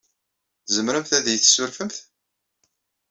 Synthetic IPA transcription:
zəmɾəmθæðjəθsːʊɾfəmθ

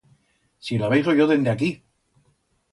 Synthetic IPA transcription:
silaβejsojoðe̞nd̪eaki

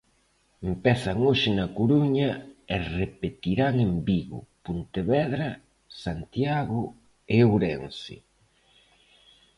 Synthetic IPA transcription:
empɛθaŋoʃɪnɐkoɾuɲɐerepet̪iɾaŋembiɣʊ̰punt̪eβɛðɾɐ | sant̪jaɣʊ | ewɾɛnsɪ̰

